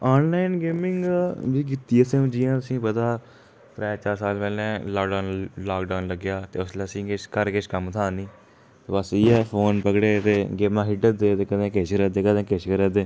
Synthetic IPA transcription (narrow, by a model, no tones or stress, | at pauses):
ɔːnlaːɪnɡeːmɪŋɡʋiːk̬ɪt̪ːiːəsẽːmd͡ʒijãːt̪ʊsĩːpət̪aː | t̪ɾɛːt͡ʃaːɾsaːlpɛːlnɛ̃ːlɔːkɖaːʊnlaːkɖaːnləɡjaːt̪eːʊsleəsĩːkɪt͡ʃʰkəɾkɪt͡ʃʰkəmt̪ʰaːniː | t̪eːbəsiːɛːpʰoːnpəɡɽeːt̪eːɡeːmãːɦɪʈəd̪eːt̪eːkəd̪ẽːket͡ʃɾɛd̪eːkəd̪ẽːkeʃkəɾɛːd̪eː